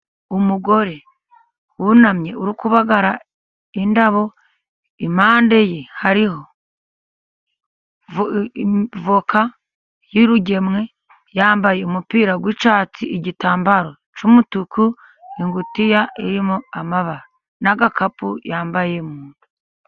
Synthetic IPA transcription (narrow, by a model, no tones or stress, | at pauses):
umuɡo̞ɾe̞ | wunamɲe̞uɾikuβaɡaɾa | indaβo̞ | imaːnde̞jehaɾiho̞ | voka | jiɾuɟe̞mŋe̞ | jaːmbaje̞umupiːɾaɡwiːt͡ʃaːt͡siʔiɟitaːmbaɾo̞ | t͡ʃumutukʰu | iŋɡutijaiɾimoamaβaɾa | naɡakapujaːmbaje̞muːndu̥